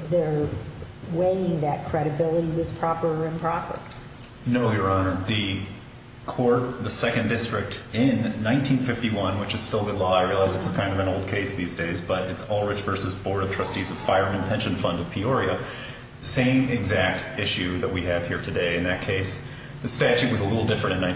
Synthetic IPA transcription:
ðə˞ | weɪɪ̃ŋðɨt̚kʰɹ̥ɛɾɨbɪlˠəɾiwʌz̥pʰɹ̥ɑpə˞ɨ̃npʰɹ̥ɑpə̰˞ | noʊjə˞ɑnə˞ðɨ | kʰɔɹt̪̚ðɨsɛkɨ̃ndɪstɹ̥ɨk̚tɪ̃nːãɪ̃ntʰĩnfɪftiwʌ̃nwɨt͡ʃɨz̥stɪlˠbɪtˡlɔaɪɹilˠaɪzɨtskʰãɪ̃ndʌvɨ̃noʊlˠd̚kʰeɪsðizdeɪzb̥ʌɾɨtsɔlˠɹɪt͡ʃv̥ɜ˞sɨzbɔɹɾʌv̥tʰɹ̥ʌstizʌv̥faɪə˞mɨ̃npʰɛ̃nʃɨ̃nfʌ̃ndʌv̥pʰiɔɹiɨ | ðɨsẽɪ̃mɨɡzæk̚tɪʃʉðɨt̚wiɨv̥hiɹtʰɨdeɪɨ̃nðɨt̚kʰeɪs | ðɨstæt͡ʃʉt̚wʌzəlɪɾl̩ˠdɪfɹɨ̃ɾ̃ɨ̃nãɪ̃

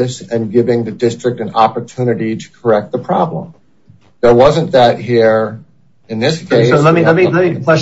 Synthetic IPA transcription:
ɨsɨ̃nɡɪvɪ̃ŋðɨdɪstɹ̥ɨk̚tɨ̃nɑpə˞tʰʉnɨɾiɾɨ̥kʰə˞ɛk̚t̪̚ðəpʰɹ̥ɑblə̰̃m | ðə˞wʌzɨ̃nðɨt̚ɦiɹ | ɨ̃nðɪskʰeɪsoʊlɛtmilɛt̚milɛt̚mi̥ɛ

